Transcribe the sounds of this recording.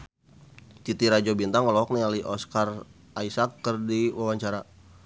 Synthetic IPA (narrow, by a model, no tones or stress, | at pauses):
t͡ʃ̪it̪iɾad͡ʒɔbint̪aŋɔlɔɦɔk̚nialiʔɔskar | aisakːərdiwawaɲt͡ʃaɾa